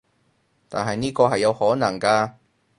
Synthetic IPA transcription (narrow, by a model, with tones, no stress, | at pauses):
t̪aː˨nɦɐ˨jniː˥kɔː˧ɦɐ˨jːɐ˨˧whɔː˨˥nɐ˨˩ŋkaː˧